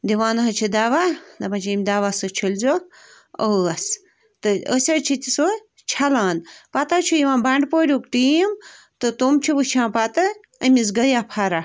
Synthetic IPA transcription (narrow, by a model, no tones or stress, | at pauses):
d̪iʋaːnɐɦɐt͡ʃʰid̪aːʋad̪ɐmɐt͡ʃʰimʲd̪aːʋaːsɨt͡ʃʰilzoːk | əɐs | t̪ɨəsʲɐt͡ʃʰit̪ʲiso | t͡ʃʰɐlaːnpɐt̪at͡ʃʰujiʋãːbɐɳɖpoːɾʲuːkʈiːm | t̪ɨt̪umt͡ʃʰiʋɨt͡ʃʰãːpat̪ɐ | ɐmisɡɐjaːpʰaɾa